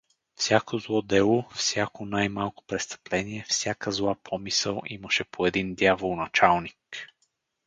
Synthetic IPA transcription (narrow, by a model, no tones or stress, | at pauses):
fsʲjakozlˠɔd̪ɛlˠofsʲjakonajmalˠko̥pɾɛst̪ə̥plɛniɛfsʲjakəzlˠapʰɔmisəlˠḭməʃɛpʰoɛd̪ind̪javolˠnɐt͡ʃalˠnik